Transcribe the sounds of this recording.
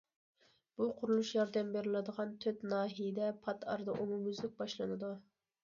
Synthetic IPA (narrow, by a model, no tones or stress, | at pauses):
b̥uqʰʊɾulˠuʃjɑɾd̪ɛmbeɾɪlɪd̪əʁɑnt̪ʰøt̪nɑːɦijɪd̪ɛpʰɑt̪ʰɑ̰ɾd̪ɑʔomumyzlɪk̚ʲbɑʃlˠɨnɨd̪u